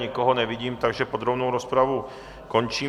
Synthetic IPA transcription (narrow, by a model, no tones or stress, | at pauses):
ɲɛkɔɦɔnɛʋiɟiːmt̪aɡʒɛpod̪ɾobnowɾospɾaʋu | kont͡ʃiː